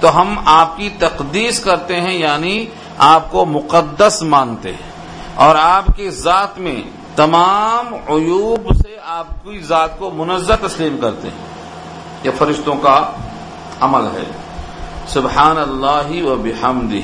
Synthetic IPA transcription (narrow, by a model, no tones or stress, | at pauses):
t̪oɦɐmaːp̚kit̪ɐqd̪iːskɐɾt̪eɦɛ̃jaːni | aːp̚komʊqəd̪ːəsmãːnt̪eɦɛ̃ | ɔːɾaːpkezaːt̪mḛ̃ | t̪ɐmaːmʊjuːbseaːp̚kizaːt̪̚komʊnəzːat̪ɐsliːmkɐɾt̪ḛɦɛ̰̃ | jefɐɾɪʃt̪õka | ɐməlɦɛ̰ː | sʊbħaːnɐlːaːɦiʋɐbɪħɐmd̪ɪ